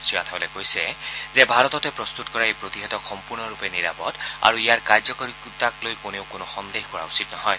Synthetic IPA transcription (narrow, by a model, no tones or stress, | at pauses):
siatʰabɔlɛkojsɛzɛbʱaɹɔtɔtɛpɹɔst̪utkɔɹaejpɹotiɦɛtɔkxɔmpuɹnɔɹupɛniɹa̰pɔ̰da̰ɹuijaɹkaɹzɔkɔɹiktaklojkoneʊkʊnʊxɔnd̪exkɔɹa̰usitnɔɦɔj